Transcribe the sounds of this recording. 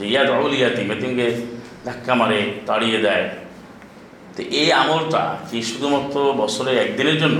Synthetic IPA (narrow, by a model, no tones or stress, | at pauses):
d͡ʒejad̪olijat̪imet̪iŋked̪ʱakːamaɾet̪aɽijed͡ʒ̪ae | t̪eʔejamɔlt̪a̰kiʃud̪ʱumɔt̪ɾobɔsɔleɛkd̪ineɾd͡ʒonːo